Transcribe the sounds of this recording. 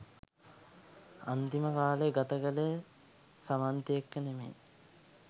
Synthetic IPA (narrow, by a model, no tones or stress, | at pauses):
ant̪iməkaːleɡat̪əkəle | samant̪iekːənemḛː